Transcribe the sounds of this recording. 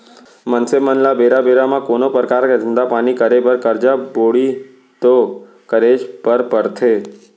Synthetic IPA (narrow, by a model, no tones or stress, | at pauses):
mənsemənlabeɾabeɾamãkonopɾəkaɾd͡ʒənd̪apanikəɾebəɾkəɾd͡ʒaboɭi | t̪o | kəɾeʃpəɾpəɾt̪ʰe